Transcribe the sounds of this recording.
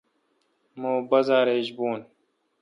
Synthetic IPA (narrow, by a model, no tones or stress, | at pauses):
moːbɐzaːɾeʑboːn